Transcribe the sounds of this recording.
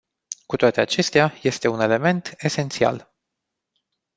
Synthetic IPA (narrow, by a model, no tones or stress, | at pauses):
kut̪oat̪e̞at͡ʃe̞st̪eaje̞st̪e̞une̞le̞me̞nt̪e̞se̞nt̪sia̰l